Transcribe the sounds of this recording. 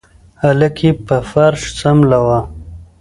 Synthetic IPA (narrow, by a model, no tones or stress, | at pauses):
aləkʰipəfaɾʂt͡samlawa